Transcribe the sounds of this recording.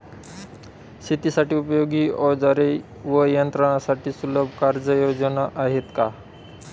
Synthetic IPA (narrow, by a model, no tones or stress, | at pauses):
sʰit̪isaʈiːupəjoɡiːɔd͡zaɾe | ʋəjənt̪ɾəɳ̃asaʈiːsuləbʱkaɾd͡zəjod͡zənaʔaɦet̪ka